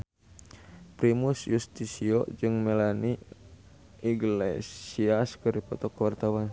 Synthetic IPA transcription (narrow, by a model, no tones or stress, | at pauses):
pɾimusjust̪isiɔ̰d͡ʒɨŋmɛlani | iɡlɛ̰siaskɨɾipɔt̪ɔkwart̪awan